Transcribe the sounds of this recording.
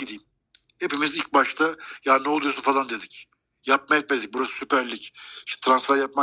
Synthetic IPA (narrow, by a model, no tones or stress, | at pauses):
id̪iːm | hepimizilʲc̚baʃt̪ʰajaːnnɛlˠujosunfazˠand̪e̞d̪ic | jap̚majɛt̪̚med̪ic̚buɾasɯ̥sypæɾlʲiciʃt̪ʰɛ̥t̪ʰɾansfɛɾjap̚ma